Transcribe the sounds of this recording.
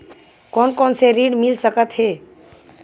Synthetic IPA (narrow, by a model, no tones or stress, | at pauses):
kɔːnkɔːnseɾiːɖmɪlsəkət̪ɦeː